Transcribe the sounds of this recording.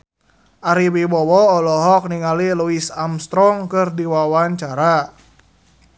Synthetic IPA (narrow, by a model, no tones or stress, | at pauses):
ʔaɾiwibɔwɔːlɔɦɔk̚niŋaliluisamst̪ɾɔŋkɨrdiwawaɲt͡ʃaɾa